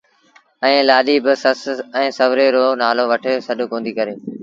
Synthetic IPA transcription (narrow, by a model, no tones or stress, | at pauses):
ɛ̃ːlaːɗiːbɪsəsɛ̃ːsɐʋɾeːɾoːnaːloʋɐʈʰɪsɐɗʊkõːnd̪iːkɐɾeː